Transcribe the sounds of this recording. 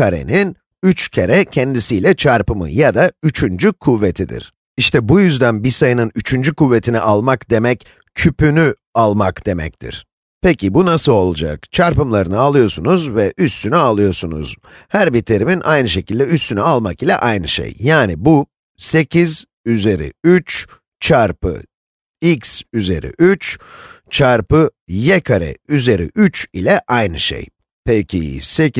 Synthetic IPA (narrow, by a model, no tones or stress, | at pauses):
kʰaɾe̞̰nin | yt͡ʃcʰeɾɛcʰɛnd̪isiːlʲɛt͡ʃʰaɾpɯmɯ̰jad̪ayt͡ʃʰynd͡ʒykʰuvːet̪ʰid̪ḭɾ̥ | iʃt̪ʰɛbujyzd̪ænbisajɯnɯnyt͡ʃʰynd͡ʒykuvːe̞t̪ʰiniʔalˠmakd̪e̞mɛc | cʰypyny | alˠmakd̪̥e̞mɛ̰c̚t̪ʰḭɾ̥ | pecʰibunasɯlˠo̞lˠud͡ʒa̰kt͡ʃʰaɾpɯmlˠaɾɯnɯalˠɯjo̞sunuzvɛʔyst̪ʰynyalˠɯjo̞sunṵz̥ | hæɾbit̪ʰeɾiminʔajnɯʃe̞cʰilʲd̪ɛyst̪ʰynyalˠmakilʲɛ̰ʔajnɯʃḛjjaːnibu | se̞cʰiz | yze̞ɾḭyt͡ʃ | t͡ʃʰaɾpɯ̰ | iksyze̞̰ɾḭʔyt͡ʃt͡ʃʰaɾpɯ | jɛkʰaɾɛ̰yze̞ɾḭʔyt͡ʃilʲɛʔajnɯʃḛj | pʰecʰḭse̞c